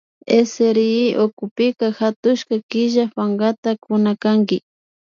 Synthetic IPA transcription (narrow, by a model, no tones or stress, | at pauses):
eseɾiiʔokʊpɪkaxat̪ʊʃkakɪʒafaŋɡat̪akʊnakaŋɡɪ